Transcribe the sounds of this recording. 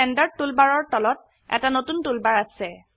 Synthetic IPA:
ɛndaɹ̚tulbaɹɔɹtɔlɔt̚ | ɛ̰tanotuntulbaɹasɛ

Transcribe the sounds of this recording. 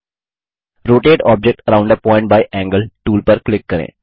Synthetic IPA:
ɾoːʈeːɖɔːb̚d͡ʒek̚ʈəɾãʊ̃ɳɖd̪əpɔːɪ̃ɳʈ̚baːɪʔɛ̃ːŋɡəlʈuːlpəɾklɪkːɐɾḛ̃ː

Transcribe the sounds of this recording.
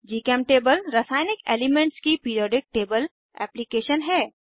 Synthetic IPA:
d͡ʒiːkɛːmʈeːbəlɾɐsaːɪnɪkḛːlɪmẽɳʈskipiːɾiɔːɖɪk̚ʈeːbəl | ɛ̰ːplikeːʃənɦɛː

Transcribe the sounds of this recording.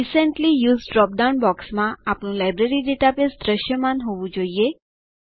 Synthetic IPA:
isəɳʈlijuːzɖɾɔp̚ɖawnbɔksmãapɳũlajbɾeɾiɖeʈapesd̪ɾəʃjəmanɦoʋũd͡ʒoie

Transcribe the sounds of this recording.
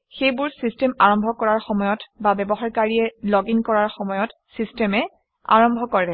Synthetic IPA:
xejbʊɹsistɛmaɹɔmbʱɔkɔɹaɹxɔmɔjɔtbabɛbɔɦaɹkaɹiɛlɔɡiŋkɔɹaɹxɔmɔjɔt | sistɛmɛ | a̰ɹɔmbʱɔkɔɹɛ

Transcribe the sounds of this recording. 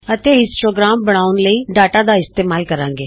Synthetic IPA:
ət̪eːɪ̃sʈoːɡɾaːmbəɽ̃aːʊnləiːɖaːʈaːd̪aːɪst̪eːmaːlkəɾãːŋɡeː

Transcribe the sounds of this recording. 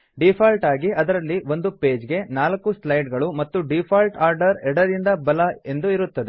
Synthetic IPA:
ɖipʰaːlʈaːɡiʔɐd̪ɐɾɐlːiʋo̞nd̪upe̞ːd͡ʒɡe̞naːlɐkːuslɐjʈɡɐɭumɐt̪ːuɖipʰaːlʈaːɾɖɐɾɛɽɐd̪ind̪ɐbɐlɐe̞nd̪uiɾut̪ːɐd̪e

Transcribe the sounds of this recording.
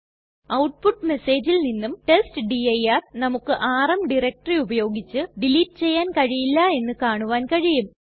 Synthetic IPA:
ɐwʈ̚puʈːme̞se̞ːd͡ʑilninːumʈe̞sʈɨɖiɐjaːrnɐmukːɨʔaːrɐmɖiɾɐk̚ʈɐriubɐjo̞ːɡit͡ɕːɨɖiliːʈ̚ːɨ̥t͡ɕe̞jːaːnkɐɻijilːɐe̞nːɨkaːɳuʋaːnkɐɻijum

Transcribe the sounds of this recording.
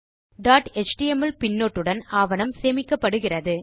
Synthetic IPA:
ɖaːʈɛt͡ʃʈiɛmɐlpɪnːoːʈːɯɽɐnaːʋɐnɐmseːmɪkːɐpːɐɽɯɣɪrɐðɯ

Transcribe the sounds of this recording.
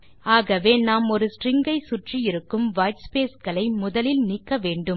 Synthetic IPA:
aːɣɐʋeːnaːmɔɾɯsrɪŋɡɐɪsʊʈrijɪɾɯkːɯmʋɐːjʈspeːskɐɭɐɪmʊðɐlɪlniːkːɐʋeːɳɖɯm

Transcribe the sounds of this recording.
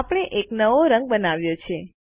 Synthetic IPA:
apɽ̃eʔeknəʋoɾə̃ŋɡ̚bənaʋjot͡ʃʰe

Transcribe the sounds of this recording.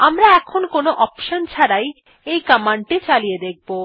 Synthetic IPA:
amɾaɛkʰonkonoʔɔpʃont͡ɕʰaɾaj | ejkamaɳɖʈit͡ɕalijed̪ek̚ʰbo

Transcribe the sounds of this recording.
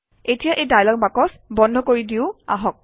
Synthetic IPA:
etijaʔejdajlɔk̚makɔs | bɔndʱɔkoɹidiʊa̰ɦɔk̚

